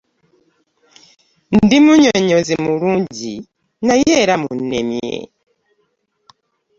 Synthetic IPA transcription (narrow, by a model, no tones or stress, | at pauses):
ndimuɲɔɲɔzimuɾuɲɟi | najɛɾamunɛ̰mjɛ̰